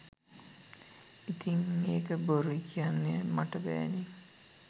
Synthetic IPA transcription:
it̪iŋmeːkəboɾuikʰijanːemaʈəbɛ̰ːni

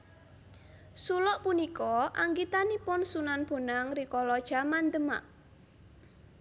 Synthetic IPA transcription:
sulɔʔpunikɔaŋɡit̪anipʊnsunanb̥o̤naŋrikɔlɔd̥ʒ̥a̤mand̪əma̰ʔ

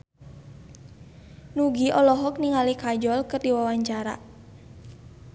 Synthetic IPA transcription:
nuɡiʔɔlɔɦɔk̚niŋalikad͡ʒɔlkɨrdiwawaɲt͡ʃaɾa̰

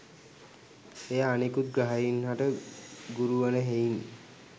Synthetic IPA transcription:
ejaːnikut̪̚ɡɾaɦainɦaʈeɡuɾuaneɦejn

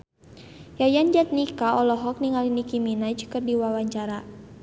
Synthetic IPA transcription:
jajand͡ʒat̪̚nikaɔlɔɦɔk̚niŋalinikiminad͡ʒkərdiwawaɲt͡ʃaɾa

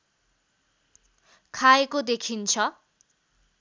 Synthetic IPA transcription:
kʰaekod̪ekʰint͡sʰʌ

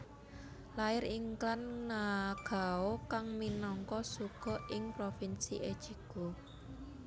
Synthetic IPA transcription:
laɪɾiŋklannaɡ̥a̤okaŋminɔŋkɔsuɡ̥ɔ̤ʔɪŋpɾofinsḭʔed̥ʒ̥iɡ̥o̤

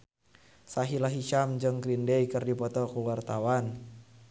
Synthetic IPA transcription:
saɦilaɦiʃamd͡ʒɨŋkɾindɛikɨrdipɔt̪ɔkuwart̪awan

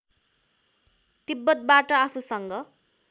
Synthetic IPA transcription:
t̪ibːʌt̪̚baʈʌapʰusʌŋɡʌ

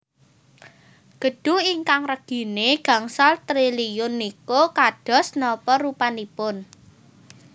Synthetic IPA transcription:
ɡ̥ə̤ɖ̥ṳiŋkaŋrəɡ̥i̤neɡ̥ä̤ŋsalt̪ɾilijʊnːikokaɖ̥ɔ̤snɔpɔɾupanipʊn

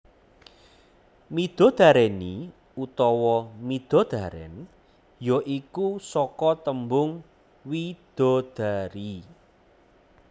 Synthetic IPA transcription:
mid̪̥ɔ̤d̪̥a̤ɾɛni | ut̪ɔwɔmid̪̥ɔ̤d̪̥a̤ɾɛ̰n | joʔikusɔkɔt̪əmbʊŋ | wid̪̥ɔ̤d̪̥a̤ɾi

